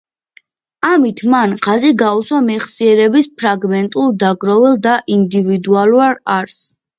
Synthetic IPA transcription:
amit̪ʰmanʁaziɡauswamɛχsiɛɾɛbispʰɾaɡmɛnt̪ʼulˠd̪aɡɾɔvɛlˠd̪aʔind̪ivid̪ualˠuaɾaɾs

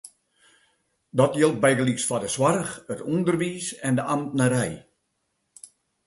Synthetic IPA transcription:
dɔtjɪlˠt̚bɛjɡəliksfɔdəswarəxətundərʋiːsɛndəʔamtnaɾɛj

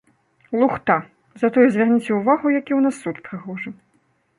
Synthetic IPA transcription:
lˠuxt̪a | zɐt̪ɔjuzʲvʲarnʲit͡sʲɛwvaɣujakʲiwnasːut̪pɾɨɣɔʐɨ

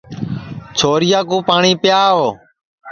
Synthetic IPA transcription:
t͡ʃʰoːɾɪjaːkũːpaːɳiːpjaːʋoː

